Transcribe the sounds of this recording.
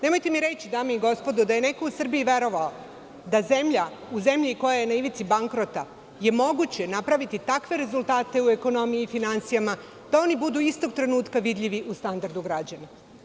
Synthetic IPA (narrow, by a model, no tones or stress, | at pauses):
ne̞mo̞jt̪e̞miɾe̞t͡ɕid̪aːmeiɡo̞spo̞d̪ud̪aje̞ne̞ko̞usr̩biiʋe̞ɾoʋao | d̪aze̞mʎa | uze̞mʎiko̞jaje̞naiʋit̪sibaŋkɾo̞t̪a | je̞mo̞ɡut͡ɕe̞napɾaʋit̪it̪akʋe̞ɾe̞zulˠt̪aːt̪e̞ue̞ko̞no̞mijiːfinant̪sijama | d̪̥ao̞nibud̪uist̪o̞ɡ̚t̪ɾe̞nuːt̪kaʋid̪ʎʲiʋiʔust̪and̪aɾd̪uɡɾad͡ʑana